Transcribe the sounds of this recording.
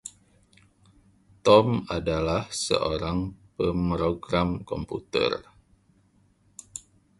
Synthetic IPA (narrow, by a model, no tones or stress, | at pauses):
t̪ɔmadalahsə̰ʔoɾaŋpəmɾoɡɾamkɔmput̪ə̰r